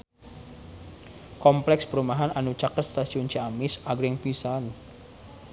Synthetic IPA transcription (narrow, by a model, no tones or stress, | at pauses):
kɔmplɛkspəɾumaɦanʔanut͡ʃakərt̪̚st̪asiʊnt͡ʃiamɪsaɡujaŋpisan